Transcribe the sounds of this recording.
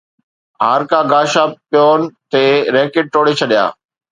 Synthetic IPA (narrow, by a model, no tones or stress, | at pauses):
ɦaːɾkaːɡaːʃaːpjoːnt̪eːɾeːkɪʈ̚ʈoːɽet͡ɕʰɐɗija̰ː